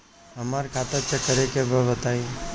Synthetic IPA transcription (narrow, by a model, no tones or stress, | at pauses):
ɦəmaɾkʰat̪əɾt͡ʃəkəɾekebʱəʋət̪ai